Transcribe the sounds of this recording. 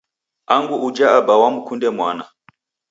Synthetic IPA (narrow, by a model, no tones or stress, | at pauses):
aŋɡuːd͡ʒaabawamukundɛmwana